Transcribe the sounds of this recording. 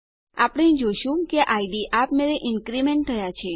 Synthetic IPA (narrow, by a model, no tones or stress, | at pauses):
apɽ̃ẽĩd͡ʒoʃũkeʔaiɖiʔapmeɾeʔɪnkɾimeɳʈ̚t̪ʰəjat͡ʃʰe